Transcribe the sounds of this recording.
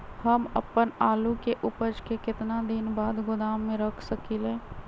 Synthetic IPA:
həməpənaːlukeʔʊpəd͡ʒkekɪt̪nad̪ɪnbaːd̪ɡʊd̪aːmːẽɾəkʰsəkilẽː

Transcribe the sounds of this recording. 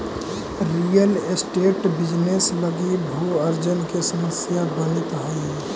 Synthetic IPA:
ɾijəlesʈeːʈbɪd͡ʒnesləɡibʱuəɾd͡ʒənkesəməsjabənɪt̪ɦɔiɦɛ

